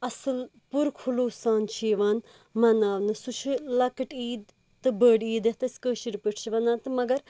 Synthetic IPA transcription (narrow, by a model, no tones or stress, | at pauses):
ɐsɨl | puɾkʰuloːsaːnt͡ʃʰiːʋaːn | mɐnaːʋnɨsut͡ʃʰɨlɐkɨʈiːd̪ | t̪ɨbəːɖiːd̪et̪ɨskəːʃiɾpiʈʰt͡ʃʰiʋɐnaːt̪ɨmɐɡɐɾ